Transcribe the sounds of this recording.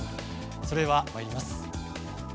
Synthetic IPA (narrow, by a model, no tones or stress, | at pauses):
so̞ɾe̞βamaɾʲimasɨ̥